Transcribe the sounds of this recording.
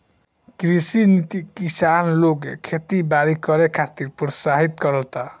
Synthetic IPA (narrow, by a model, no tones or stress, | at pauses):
kɾisinit̪ikisanloɡekʰet̪ibaɾikʌɾekʰat̪iɾpɾɔsaɦit̪kʌɾəlt̪a